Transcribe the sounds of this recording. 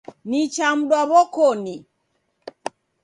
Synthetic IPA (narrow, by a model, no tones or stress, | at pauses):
nit͡ʃam̩ɗwaβɔkɔni